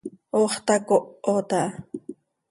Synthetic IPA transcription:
oχt̪akoʔot̪aʔ

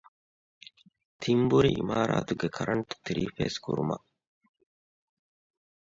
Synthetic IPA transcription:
t̪ʰimbuɾiḭmaːɾa̰ːt̪uɡekʰɐɾʔɐnt̪u̥t̪iɾiːfḛːskṵɾuma̰

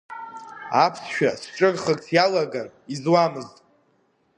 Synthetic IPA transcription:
apʰsʃᶣasʈ͡ʂʼɨrχəkʼsʰjalaɡarizwamɨztʼ

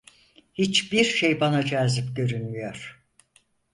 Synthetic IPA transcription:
hit͡ʃbiɾʃejbanad͡ʒaːzipɟø̞ɾynmyjoɾ̥

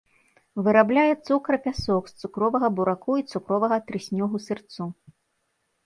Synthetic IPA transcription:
vɨɾablʲajɛt̪sukɾɐpʲasɔkst̪sukɾɔvɐɣɐbuɾakuit̪sukɾɔvɐɣɐt̪ɾɨsʲnʲɔɣusɨrt̪su

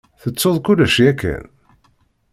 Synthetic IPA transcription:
θət͡sːoðˤkulæʃjækːæ̰n

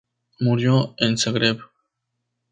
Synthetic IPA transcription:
muɾjoenseɣɾep

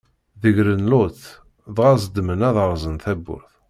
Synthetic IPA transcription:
ðəʝɾənlʊθ | ðʁazd̪mənæðəʁzənθæbːʊ̰ɾθ

